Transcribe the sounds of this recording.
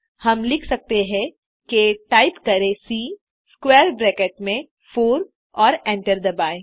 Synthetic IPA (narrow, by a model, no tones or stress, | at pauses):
hɐmlɪkʰsɐk̚t̪eɦɛ̃ | keʈaːɪpkɐɾesi | skwɛːɾbɾɛːkeʈmẽ | foːɾ | ɔːɾɛ̃ːɳʈəɾd̪ɐbaːe